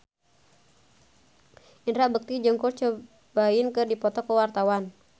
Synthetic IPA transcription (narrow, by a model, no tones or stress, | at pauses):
ʔindɾaʔbək̚t̪id͡ʒəŋkurt͡ʃə | baɪnkɨrdipɔt̪ɔkəwart̪awan